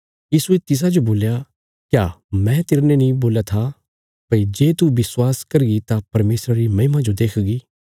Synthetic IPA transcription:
jiːsuet̪ɪs̬ad͡ʒoboːlja | kjaːmɛ̃t̪eːɾnenĩboːljat̪ʰa | pɐid͡ʒeːt̪ubɪswaːskɐɾɡit̪apɐɾmeːsɾaɾimɐɦɪmãd͡ʒod̪eːkʰɡiː

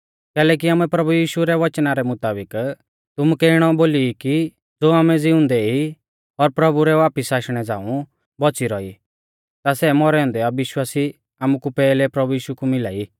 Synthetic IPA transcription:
kɛːlɛːk̬iaːmuɛpɾɐbujiːʃuɾɛʋɐt͡ʃnaɾɛmʊt̪aːbɪk | t̪ʊmukɛɪɽ̃ɔboːliːki | d͡zoːaːmɛd͡zɪʊ̃nd̪ɛi | ɔɾpɾɐbuɾɛʋaːpəsaːʃɽ̃ɛd͡zã̰ːũ | bɔt͡siɾɔḭ | t̪asɛmɔɾɛɔ̃nd̪ɛɐbɪʃwaːsi | aːmukupɛːlɛpɾɐbujiːʃukumɪlaːi

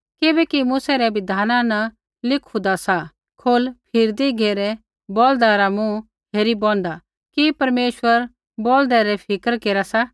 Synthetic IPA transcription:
kɪbɛkimʊsɛɾɛbɪd̪ʱaːnãnɐ | lɪkʰud̪asa | kʰolpʰɪɾd̪iɡʱeːɾɛ | bold̪aɾamũ | ɦeːɾibɔ̃nd̪a | kipɐɾmeːʃwəɾ | bold̪ɛɾɛpʰɪkəɾkeːɾasa

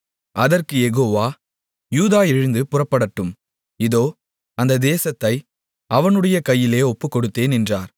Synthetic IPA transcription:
ʔɐðɐrkɯjɛɣoːʋaː | juːðaːɪɻɯnd̪ɯpʊrɐpːɐɽɐʈːɯm | ɪðoː | ɐnd̪ɐd̪eːsɐt̪ːɐɪ | ɐʋɐnɯɽɐjɐkɐjːɪleːɔpːɯkːɔɽɯt̪ːeːnɛndraːɾ

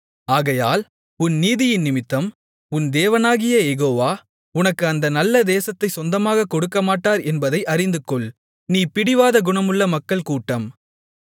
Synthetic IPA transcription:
aːɣɐjaːl | ʊnːiːðɪjɪnnɪmɪt̪ːɐm | ʊnd̪eːʋɐnaːɣɪjɐjɛɣoːʋaː | ʊnɐkːɯɐnd̪ɐnɐlːɐd̪eːsɐt̪ːɐɪsɔnd̪ɐmaːɣɐkɔɽɯkːɐmaːʈːaːɾɛnbɐðɐɪʔɐɾɪnd̪ɯkːɔɭ | niːpɪɽɪʋaːðɐɡʊɳɐmɯɭːɐmɐkːɐɭkuːʈːɐm

